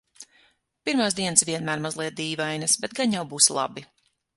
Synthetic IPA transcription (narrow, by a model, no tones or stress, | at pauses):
piɾmaːsd̪iɛnsvʲiɛnmæːɾmazlˠiɛt̪̚d̪iːvajnɐsbɛt̪̚ɡaɲjawbuːslˠa̰bi